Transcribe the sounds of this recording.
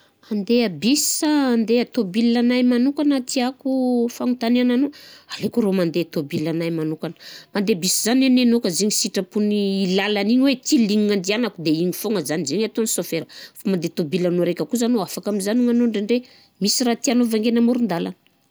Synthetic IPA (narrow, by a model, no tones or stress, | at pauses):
and̪eabisi̥aːnd̪eat̪obilːanajmanukanət̪ʰiakufaŋut̪aneananoalekuɾomand̪et̪obilanajmanukanə̥mand̪ebisizanenenokəziɲisiʈ͡ʂəpuniːlalaniɲwet̪iliŋiŋand̪ianakud̪eiɲifoŋəzanizeɲat̪onisofeɾəfamand̪et̪obilanoɾekʲəkuzanoafakamizaniŋanoɳɖ͡ʐeɳɖ͡ʐe | misiɾat̪ianovaŋɡenamuɾund̪ala̰nə̥